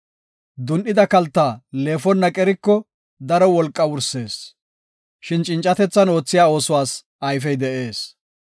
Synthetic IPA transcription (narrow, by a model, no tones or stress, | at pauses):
d̪ʊnʔɪd̪ɐkɐlt̪ːaːle̞ːfɔnːɐkʼɛɾɪkːɔ | d̪ɐɾɔwɔlkʼːɐwʊɾse̞ːs | ʃɪnt͡ʃʼɪnt͡ʃʼːɐt̪ɛt͡sːɐno̞ːt͡sːɪjaːo̞ːsʊwaːs | ɐjfɛjd̪ɛʔe̞ːs